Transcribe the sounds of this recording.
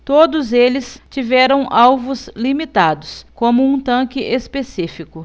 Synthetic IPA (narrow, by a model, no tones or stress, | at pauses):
t̪od̪ʊzelɪst͡ʃivɛɾɐ̃w̃ʔawvʊzlimit̪ad̪ʊskõmʊũt̪ɐ̃kɪʔespesifikʊ